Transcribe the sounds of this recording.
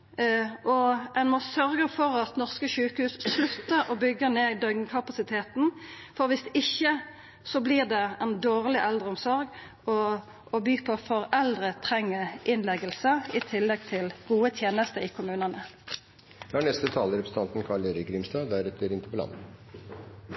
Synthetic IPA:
ʔɔɛnmɔsœɾɡəfɔʁɑt̪nɔʁskəʃʉːkəhʉːsslʉt̪ːəɾɔbʏɡəneːd̪œʏɡkʰɑpɑsɪt̪ʰeːt̪n̩ | fɔʁʋɪsɪçːə | sɔbliːʁd̪ɛɛnd̪oːʁlɪʔɛld̪ʁəɔmsɔʁɡ | ɔː | byːpʰɔfɔʁɛld̪ʁət̪ʰʁɛŋːəʔɪnlɛɡəlsəɪt̪ʰɪlːɛɡ̚t̪ʰɪlɡ̥uːət̪ʰjeːnəst̪əɪkʰʊmʉːnənə | d̪ɛæɳɛst̪ət̪ʰɑːləɾɛpɾsn̩t̪ʰɑnt̪n̩kʰɑɭeɾəɡʰɾɪːmst̪ɑːd̪æɾɛt̪ʰəɾɪnt̪ə̥pɔlɑ̰nə

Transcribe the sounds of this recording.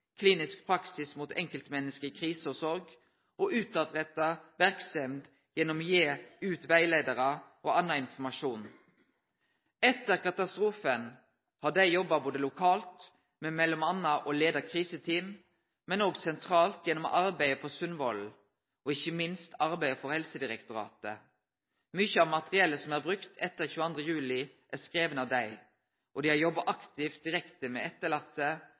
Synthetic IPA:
kʰliːnɪsk̚pʰɾɑksɪsmuːt̪ɛ̰ŋkəlt̪mɛnːəskəkʰʁiːsəɔsɔɾɡ | ʔɔʔʉːt̪ɑd̪ʁɛt̪ːɑʋæʁksɛmd̪ | jɛnːɔmjeːʉːt̪ʋæɪleɪd̪əʁɑʔoːɑnɑɪnfɔmɑʂuːn | ɛt̪ːəʁkɑt̪ɑst̪ʁuːfən | hɑːd̪æɪjɔbːɑboːd̪əlʊkʰɑːlt̪ | mɛmɛlːɔmɑnːɑʔoleːd̪əkʰʁiːsət̪ʰiːm | mɛnoːɡsɛnt̪ʰʁɑːlt̪jɛnɔmɔ̰ʔɑɾbæɪəpʰoːsʉnʋɔl | ʔɔɪçəmɪnst̪ɑɾbæɪfɔʁhɛlsəd̪ɪʁɛkt̪ʊɾɑ̰ːt̪ə | mʏçəɑʋmɑt̪ʁɪɛlːəsɔmæːʁbʁʉkt̪ʰɛt̪ːəʁçʉːəɑnd̪ʁəjʉːlɪ | ʔæʁskɾeːʋənɑʋd̪æɪ | ʔɔd̪iːhɑɾjɔbɑʔɑkt̪ɪft̪̚d̪ɪʁɛkt̪əmɛ̰ːɛt̪ːəɭɑt̪ːə

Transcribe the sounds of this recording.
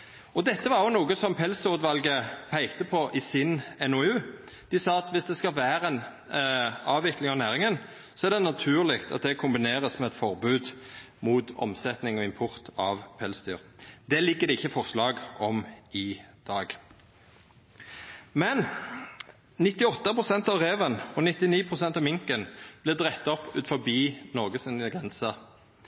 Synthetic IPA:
ɔd̪ɛt̪ːəʋɑʁjɔnuːɡəsɔmpʰɛlsd̪ɔʁʉd̪ʋɑlɡəpʰæɪkt̪əpʰɔʔɪsɪnɛnʊʉː | d̪̥ɪsɑːɑt̪ʋɪsd̪ɛskɑlʋæːɾɛn | ɑːʋɪklɪŋɑʋnæːʁɪŋən | sɔæʁɾd̪ɛnɑt̪ʰʉːʁlɪkt̪ʰɑ̰t̪̚d̪ɛkʰʊmbɪneːʁəsmɛɛt̪fɔʁbʉːd̪ | muːt̪ɔ̰msɛt̪nɪŋɔɪmpʰʊʁt̪ʰɑʋpʰɛlsd̪yːʁd̪̥ɛlɪɡːəd̪ɛɪçːəfɔʁslɑːɡʔɔmɪd̪̥ɑːɡ | mɛn | nɪt̪ɪɔt̪ːəpʰʁʊsɛnt̪ɑʋʁeːʋənɔnɪt̪ɪniːpʰʁʊsɛnt̪ɑʋmɪŋkənb̥lɪd̪ʁɛt̪ːɔpːʉ̰ːt̪fɔbiːnɔʁɡəsɪnəɡʁɛnsə

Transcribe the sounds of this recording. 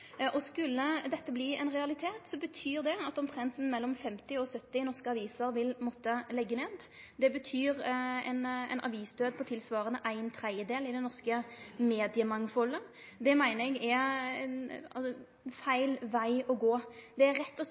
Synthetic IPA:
ʔɔskʉlːəd̪ɛt̪ːəbliːɛ̰ɪnʁɛɑlɪt̪ʰeːt̪sɔbət̪ʰyːʁd̪ɛɑt̪ːɔmt̪ʰʁɛnt̪n̩mɛlːɔmfɛmt̪ɪɔsœt̪ːɪnɔʁskəɑʋiːsəɾʋɪlmɔt̪ːəlɛɡːəneːd̪ | d̪ɛbət̪ʰyːʁɛ̰nɛ̰ɪnɑ̰ʋiːsd̪øːd̪̚pʰɔt̪ʰɪlsʋɑːʁənəʔæɪnt̪ʰɾɛəd̪eːlɪd̪ɛnnɔʁskəmeːd̪ɪəmɑŋfɔlːə | d̪ɛmæɪnəɛɡɛɛ̰nɑ̰ | fæɪlʋæɪɔɡoːd̪̥ɛæʁːɛt̪ːɔ

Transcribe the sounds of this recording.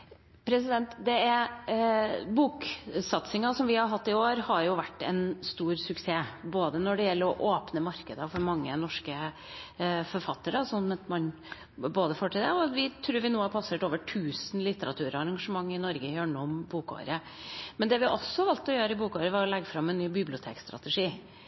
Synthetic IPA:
pʰɾɛs̬ɪd̪ɛnt̪d̪ɛæɾ | buːksɑt̪sɪŋɑsɔmʋɪhɑɾɦɑt̪ːɪoːɾhɑɾjʊʋæʈːɛ̰nst̪uːɾsʉkseːboːd̪ənɔɖɛjɛlːəɾɔʔoːpnəmɑɾkəd̪əfɔɾmɑŋːənɔʂkə | fɔɾfɑt̪ːəɾsɔnmɛt̪mɑn | boːd̪əfɔʈʰiːd̪əɔʋɪt̪ʰɾʉːɾʋɪnuːɑæɾpʰɑseːʈoːʋəʈʰʉːsnlɪt̪ːəɾʔɑt̪ʰʉːɾɔɑɾɑŋɡɑʂəmɑŋːɪnɔɾɡəjøːɳuːɔmbuːkɔ̰ːɾə | mɛnd̪ɛʋɪʔɔsːɔhɑɾʋɑlt̪ɔjøːɾəɪbuːkoːʋɾəʋɑɾɔlɛɡːəfɾɑmːɛnnːyːbɪblɪʊt̪ʰḛːkst̪ɾɑ̰t̪ɛʂiː

